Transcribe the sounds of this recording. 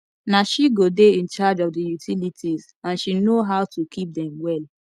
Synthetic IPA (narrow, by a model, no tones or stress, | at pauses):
naʃiɡodeĩnt͡ʃad͡ʒɔvdəjutʰilitʰiz | ãnʃinoɦaʊtukʰip̚dɛ̃mwɛl